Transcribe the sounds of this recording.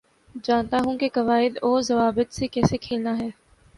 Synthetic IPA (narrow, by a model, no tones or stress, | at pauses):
d͡ʒaːnt̪aɦũkekɐʋaːɪd̪oːzɐʋaːbət̪sekɛːsekʰeːlnaɦɛː